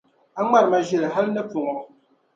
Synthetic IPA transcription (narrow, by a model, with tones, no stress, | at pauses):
a˦ŋ͡ma˦˨ɾma˨ʒi˨lɦa˦lnə˦fu˨ŋɔ˨